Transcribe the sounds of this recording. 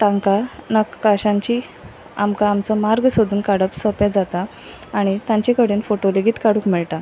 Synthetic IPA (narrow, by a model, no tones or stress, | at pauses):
t̪ãŋkanəkːaɕãɲt͡ɕiː | amkaːmt͡sɔmaɾɡsod̪uːnkaɽəpsɔpɛd͡zat̪aː | ɽ̃it̪ãɲt͡ɕekəɽeːnfoʈoleɡiːt̪kaɽũːkmiɭʈa